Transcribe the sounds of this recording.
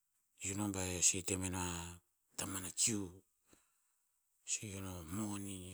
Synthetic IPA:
junombaesitemena | tamanat͡ʃiu | sijonomoni

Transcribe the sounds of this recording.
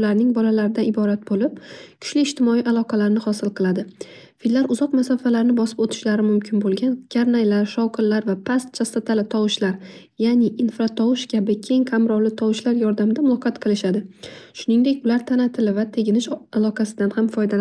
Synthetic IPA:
laɾnɪŋbɒlalaɾɪd̪anɪbɒɾat̪̚bolɪp̚kʲʰʊ̥ʃlɪːʃt̪ɪmɒiʔalˠɒqʰɑlaɾɪnɪhɒsɪlˠqʰɨlˠad̪ɪ | fillːaɾʊzɒqmasɒfalaɾɪnɪbɒsɪpot̪ʰɪ̥ʃlaɾɪmʊmkʲʰɪnbolˠɡʲankʲʰaɾnajlaɾʃɒwqʰɪɾlaɾvapʰast̪̚t͡ʃʰast̪at̪ʰalɪt̪ʰɒwʊʃlaɾ | janɪʔːnfɾat̪ʰɒwɪʃkʲʰabɪkʲʰe̞ŋqʰamɾɒwlɪt̪ʰɒwɪʃlaɾjɒɾd̪amɪd̪amʊlˠɒqʰɑt̪qʰɨlˠɪʃad̪ɪʃʊnɪŋd̪ekʲʊlaɾt̪ʰanat̪ʰɪlɪvat̪ʰe̞ɡʲɪnɪʃalˠɒqʰɑsɪd̪anhamfɒjd̪al

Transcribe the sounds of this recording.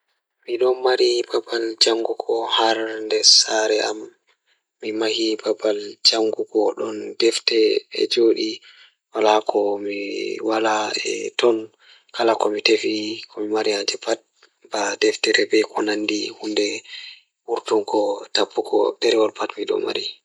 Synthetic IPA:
miɗɔnmaɾibabald͡ʒaŋɡuɡɔhaɾndɛsaɾɛʔamː | imahibabald͡ʒaŋɡuɡɔɗɔndɛftɛɛ̰d͡ʒoɗi | walakʰɔmiwalaɛ̰tɔn | kalakɔmitefikʰɔmimaɾiad͡ʒɛpat̚ | badɛftɛɾɛbɛkʰɔnandihundɛ | wuɾtuŋkɔtapʰːukɔ̰dɛɾɛwɔlpʰatmiɗɔ̰mːa̰ɾi

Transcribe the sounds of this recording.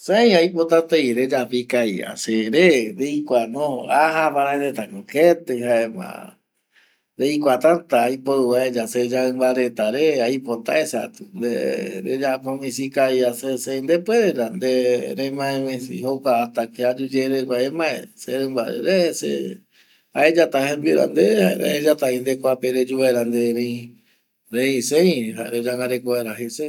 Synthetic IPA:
sẽj̃ajpot̪at̪ejɾed͡ʒapikaia̰seɾeɾeikʷanõhoaɦapaɾaeɾet̪akoket̪ɨɦaemã̰ | ɾejkʷat̪ãt̪aːjpoɨβaed͡ʒased͡ʒaɨmbaɾet̪aɾeajpot̪a̰esa̰t̪u̥nd̪eɾḛd͡ʒapomĩsikaiasesẽnd̪epweɾeɾand̪eɾemãẽmẽsḭhokaːt̪akead͡ʒud͡ʒeɾekʷaemãḛseɾẽmbaɾḛɾesḛ | aed͡ʒat̪ahẽmbiɾa̰nd̪eaeɾḛed͡ʒat̪aĩnd̪ekʷapeɾed͡ʒuβaɾand̪eɾẽĩ | ɾẽĩsẽĩɦaɾed͡ʒaŋɡaɾekoeɾaɦese

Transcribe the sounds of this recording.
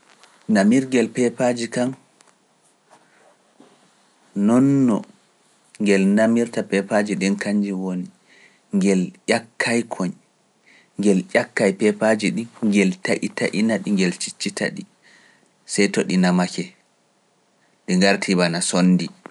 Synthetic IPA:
namiɾɡɛlpɛpad͡ʒikan | nɔnːɔ | ŋɡɛlnamiɾtapɛpad͡ʒiɗɛnkaɲd͡ʒiwoni | ŋɡɛljakʰːajkʰɔɲ | ŋɡɛljʲakːajpɛpad͡ʒiɗiŋɡɛltaʔitaʔinaɗiŋɡɛlt͡ʃi̥t͡ʃːitʰa̰ɗi | sajtɔɗinamakɛ | ɗiŋɡaɾtʰibanasonːdi

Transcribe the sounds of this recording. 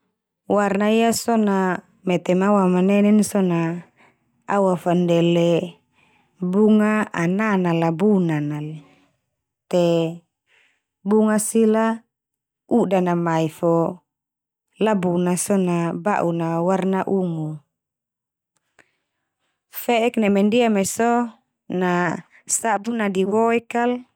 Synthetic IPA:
warnaijasɔna | mɛt̪ɛmawamanɛnɛnsɔna | awafandɛlɛ | buŋaʔananalabunanal | t̪e | buŋasila | udanamaifɔ | labunasɔnaba̰ʔunawarnaʔuŋu | fɛʔɛknɛmɛndiamɛsɔ | na | sabunadiwɔɛkal

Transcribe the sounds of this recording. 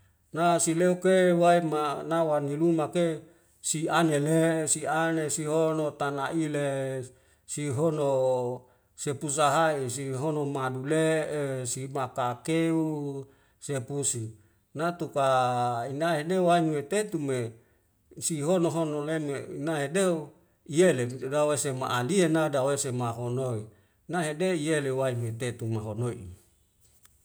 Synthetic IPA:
nasileukewaimanawanilumake | sianelesianesiɦonot̪anaʔile | siɦono | sepus̬aɦaisiɦonomaduleesimakakeu | sepusi | nat̪ukainaɦedewainwet̪et̪ume | siɦonoɦonoleneinaɦedeu | ijeleit̪udawesema̰ʔalienadawesemaɦonoi | naɦedeijelewainwet̪et̪umaɦonoḭ

